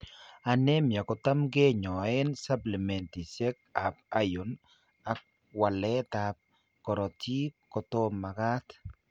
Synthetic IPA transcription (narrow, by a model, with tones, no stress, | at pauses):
a˨nɛ˦mja˨kɔ˨t̪a˦mɡe˦ɲɔ˨ɛ˦nsa˦pli˨mɛ˨nt̪i˨sɛ˦ka˨pa˦jʊ˨n | a˨k̚ | wa˨lɛ˦t̪a˨p̚ | kɔ˨ɾɔ˨ti˦kɔ˨t̪o˦mːa˨ka˦t̪